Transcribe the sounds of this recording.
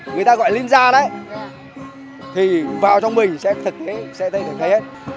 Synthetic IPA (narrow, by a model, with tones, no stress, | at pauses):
ŋɨ˨˩əjt̪aː˧ɣɔ̰˧˨jli˧nzaː˧nə˨˦j | t̪ʰi˨˩vaː˨˩wt͡ɕɔ˧wŋ͡mmï˨˩ŋ̟sɛ̰˧˥t̪ʰɨ˨˩k̚t̪e˨˦sɛ̰˧˥t̪ʰə˧jt̪ʰə˨˩t̪ʰə˨˦jhe˦˥t̚